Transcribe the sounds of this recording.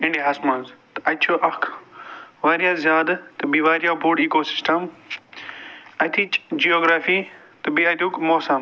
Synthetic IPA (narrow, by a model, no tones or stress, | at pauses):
ɪ̃ɳɖiɦɐsmɐ̃nzt̪ɐt͡ʃʰoʔɐkʰ | ʋaːɾjaːzjaːd̪t̪ɨbiʋaːɾijabuːɖiːkoːsɪ̥sʈɐm | ɐt̪ʰit͡ʃd͡ʒioːɡɾaːfi | t̪ɨbiɐd̪uːkmoːsɐm